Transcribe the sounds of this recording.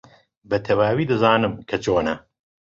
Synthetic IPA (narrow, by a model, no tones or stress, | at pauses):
bɐt̪ʰɐwaːwiːd̪ɨzaːnɨmkʰɐt͡ʃʰoːnɐ̰